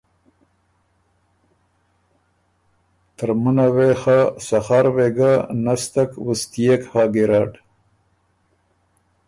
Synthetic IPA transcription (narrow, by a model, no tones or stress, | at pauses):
t̪əɾmunawexasaxaɾweɡanast̪akwust̪ijekhɑːɡiɾɑːɖ